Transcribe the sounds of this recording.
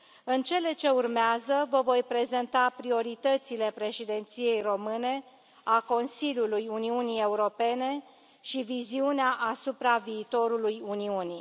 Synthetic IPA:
ɨnt͡ʃe̞le̞t͡ʃe̞urmeazəvəvo̞jpɾe̞ze̞nt̪apɾio̞ɾit̪ət̪sile̞pɾe̞ʃid̪e̞nt̪sije̞jro̞mɨne̞ | ako̞nsilʲjulujuniunie̞uɾo̞pe̞ne̞ | ʃiviziuneaʔasupɾaviːt̪o̞ɾulujuniuni

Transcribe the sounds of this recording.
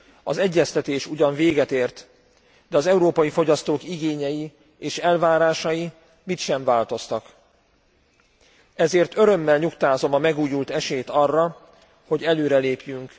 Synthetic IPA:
ɒzɛɟːɛst̪ɛt̪eːʃuɟɒɱveːɡɛt̪eːrt̪ | d̪ɛɒzɛuɾoːpɒjifo̞ɟɒst̪oːkiɡeːɲɛji | eːʃɛlvaːɾaːʃɒji | mit̪ʃɛɱvaːlt̪o̞st̪ɒk | ɛzeːrt̪ø̞ɾø̞mːɛlɲukt̪aːzo̞mɒmɛɡuːjult̪ɛʃeːt̪ɒrːɒ | ho̞ɟɛløːɾɛleːpjyŋk

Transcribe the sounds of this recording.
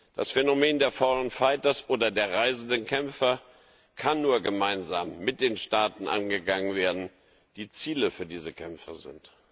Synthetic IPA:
d̥a̰sfenomeːndeːɐfɔʊənfaɪtɐsʔoːdɐdeːɐʁaɪzn̩dənkʰɛmfɐ | kʰanːuːɐɡəmaɪnzaːmːɪt̚d̥eːnʃtaːtn̩ʔa̰nɡəɡaŋənveːɐdn̩ | d̥iːt͡siːləfyːɐdiːzəkʰɛmfəzɪ̰nt

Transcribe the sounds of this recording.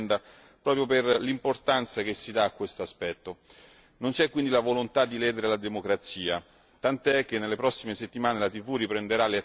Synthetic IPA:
nd̪a | pɾɔːpɾjoperlimport̪ant̪sak̟esːid̪aːkːwest̪oaspɛt̪ːo | nont͡ʃɛkwind̪ilavolont̪ad̪ːilɛːd̪eɾelad̪emokɾat̪siːa | t̪ant̪ɛk̟ːenːelːepɾɔsːimeset̪ːimaːnelat̪ivuɾipɾend̪eɾalea

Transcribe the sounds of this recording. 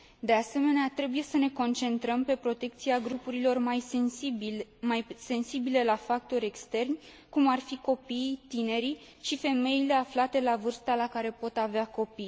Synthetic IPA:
d̪e̞ase̞me̞neat̪ɾe̞buje̞səne̞ko̞nt͡ʃe̞nt̪ɾəmpe̞pɾo̞t̪e̞k̚t̪siaɡɾupuɾilo̞rmaj | majse̞nsibile̞lafak̚t̪o̞ɾʲe̞kst̪e̞rnʲ | kumarfiko̞pijt̪ine̞ɾi | ʃife̞me̞jile̞aflat̪e̞lavɨrst̪alakaɾe̞po̞t̪aveako̞pij

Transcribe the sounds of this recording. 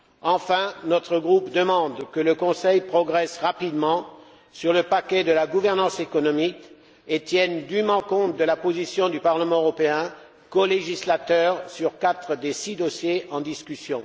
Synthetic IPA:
ɑ̃fɛ̃nɔt̪χəɡʁupd̪əmɑ̃d̪kələkɔ̃sɛjpχɔɡʁɛsʁapid̪mɑ̃ | syʁləpakʲɛd̪əlaɡuvɛʁnɑ̃sekɔnɔmik | et̪jɛnd̪ymɑ̃kɔ̃t̪̚d̪əlapozisjɔ̃d̪ypaʁləmɑ̃øʁɔpeɛ̃ | kɔleʒislat̪œʁsyʁkat̪χəd̪esid̪ɔsjeɑ̃d̪iskʲysjɔ̃

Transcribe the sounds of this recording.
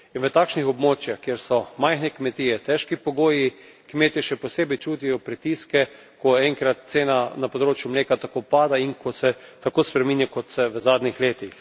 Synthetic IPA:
inʋət̪aːkʃnixɔbmoːt͡ʃjaxkjeːɾsɔmajxnɛkmɛt̪iːjɛt̪ɛʃkipɔɡoːji | kmeːt̪iʃɛposeːbɛjt͡ʃuːt̪ijɔpɾit̪iːskɛ | kɔɛŋkɾat̪̚t̪seːnanapod̪ɾoːt͡ʃjʊmleːkat̪akopaːd̪aiŋkosɛt̪akoːspɾɛminjakɔt̪sɛʋəzaːd̪nixleːt̪ix

